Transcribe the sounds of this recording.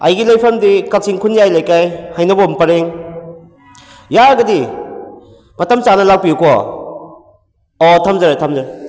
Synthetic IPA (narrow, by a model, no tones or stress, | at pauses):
a̰jɡilɐjpʰɐmdikak̚siŋkʰunjajlajkajhajnɐbompɐɾeŋ | jaɾɡɐdi | mɐtɐmt͡ʃanɐlak̚piukɔ | ɔtʰamzɐɾetʰamzaɾ